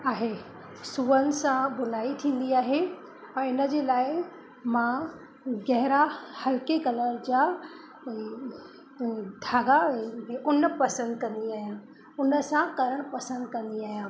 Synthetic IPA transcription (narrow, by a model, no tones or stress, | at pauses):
aːɦe | suːənɪ̆sãbʊn̤aːit̪ʰĩːn̆d̪iaːɦe | ɛ̃ɪnə̆d͡ʑeːlaːɪ | mã | ɡɛɦɪɾahɐlkekɐləɾd͡ʑaː | d̪ʱaːɡaeʔʊnpɐsə̃nd̪kɐ̃nd̪iaːɦijã | ʊnə̆sãkɐɾəɽ̃pɐsə̃nd̪kɐ̃nd̪iaːɦijãː